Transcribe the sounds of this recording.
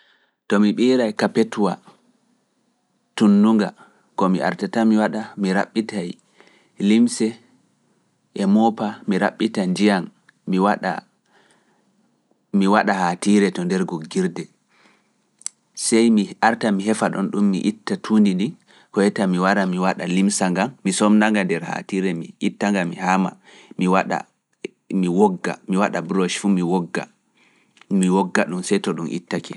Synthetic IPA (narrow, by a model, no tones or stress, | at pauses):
tɔmiɓiːɾajkapetwa | tunːuŋɡa̰ | kɔmiʔa̰ɾtatamiwaɗamiɾaɓːitaj | limsɛ | ʔɛmɔpamiɾa̰ɓːitand͡ʒijanː | iwaɗa̰ | miwaɗahatiɾɛtɔndɛɾɡoɡiɾdɛ | sɛjmiaɾtamiɦɛfaɗɔ̰nɗumːḭʔitːatʰuːndindi | hɔjɛtamiwaɾamiwaɗalimsaŋɡammisɔmnaŋɡandɛɾha̰tiɾɛmiitːaŋɡamːihaːma̰ | miwaɗa̰ | miwɔɡːa̰miwaɗabɾoʃfumiwɔɡːa̰ | miwɔɡːaɗumsɛjtɔɗumʔḭtːakʰɛ